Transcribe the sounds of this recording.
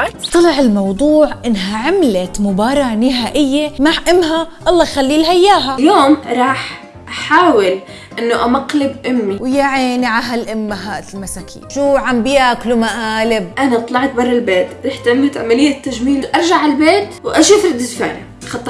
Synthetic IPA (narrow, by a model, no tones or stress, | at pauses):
t̪ˤːɑlɑʕɪlmɑwd̪ˤuːʕʔɪnːɦaʕɪmlat̪mʊbɑːɾˤɑnɪɦaːʔɪjːemaʕʔɪmːɦaʔɑlˤːɑːxalːilhajːaːɦaljoːmɾˤɑːħ | ʔaħaːwɪl | ʔɪnːoʔamaqlɪbʔʊmːiwjaʕeːnʕaɦalʔɪmːaɦaːʔt̪lmasakʰḭːnʃuːʕambɪjaklumaʔaːlɪb̚ʔanat̪ˤlɑʕt̪̚bɑrˤːɪlbeːt̪ɾiħt̪ɪmːat̪ʕa̰malɪjːat̪ːaʒmiːnʔɑɾˤʒaʕalbeːt̪wʔaʃiːfɾɪd̪ːɪsfa̰ːɾa | xɑt̪ˤː